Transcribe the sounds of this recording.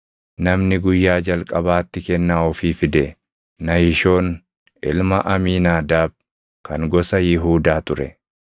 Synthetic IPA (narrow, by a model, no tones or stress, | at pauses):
nɐmnɪɡʊjːaːd͡ʒɐlkʼɐbaːt̪ːɪkɛnːaːɔfiːfɪd̪ɛ | nɐhɪʃo̞ːn | ʔɪ̰lmɐʔɐmiːnaːd̪aːb̚ | kɐŋɡɔsɐjɪɦuːd̪aːt̪ʊɾɛ